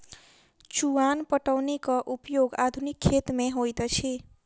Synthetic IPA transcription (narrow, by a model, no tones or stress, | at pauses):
t͡ʃuwanpʌʈʌwnikʌʔupjoɡad̪ʱunikʰːet̪meɦojt̪ʌt͡sʰi